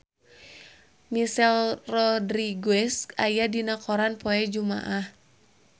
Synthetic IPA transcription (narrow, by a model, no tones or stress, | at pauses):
misɛlrɔdɾiɡwɛskajadinakɔɾanpɔɛd͡ʒuma̰ʔah